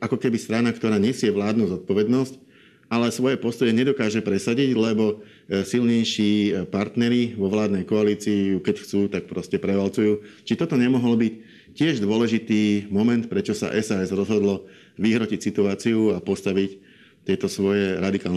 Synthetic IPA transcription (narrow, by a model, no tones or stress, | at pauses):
ʔakɔkɛbist̪ɾanakt̪ɔɾaːɲɛsɪɛʋlaːd̪nuːzɔt̪̚pɔʋɛd̪nɔsc | ʔalɛsʋɔjɛpɔst̪ɔjɛɲɛd̪ɔkaːʒɛpɾɛsaɟiɟlɛbɔ | silɲɛjʃiːpaɾt̪nɛɾiʋɔʋlaːd̪nɛjkɔaliːt͡siːjukɛcxt͡suːt̪ak̚pɾɔscɛpɾɛʋalt͡sujuːt͡ʃit̪ɔt̪ɔɲɛmɔɦɔlbic | cɪɛʒd̪ʊɔlɛʒit̪iːmɔmɛnt̪̚pɾɛt͡ʃɔsa̰ʔɛsaːɛzɾɔzɦɔd̪lɔ | ʋiɦɾɔcicsit̪uaːt͡siuapɔst̪aʋic | t̪ɪɛt̪ɔsʋɔjɛɾad̪ikaːln